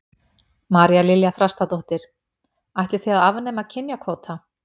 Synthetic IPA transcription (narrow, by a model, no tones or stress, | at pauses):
maːɾjalɪljafɾast̪at̪ɔht̪ɪɾ̥ | ajht̪lɪ̥θiaðavneːmacʰɪnjakʰoːt̪ʰa